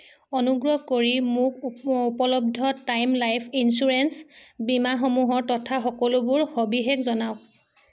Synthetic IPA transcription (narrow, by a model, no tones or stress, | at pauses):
ɔnuɡɹɔɦkoɹimʊk̚upɔlɔb̚dʱɔtajmlajpʰinsuɹɛnsbimaxɔmuɦɔɹtɔtʰaxɔkɔlʊbʊɹxobiɦekzɔnaʊ̃